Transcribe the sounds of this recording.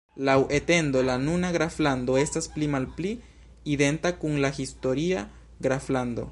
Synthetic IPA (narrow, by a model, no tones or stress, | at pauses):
lawʔe̞te̞ndo̞lanunaɡɾaflando̞e̞stasplimalpli | ide̞ntakuŋlahisto̞ɾia | ɡɾaflando̞̰